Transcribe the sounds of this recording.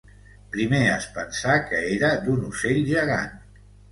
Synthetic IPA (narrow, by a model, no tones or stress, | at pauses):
pɾimeəspənsakəeɾəd̪unuseʎʒəɣa̰n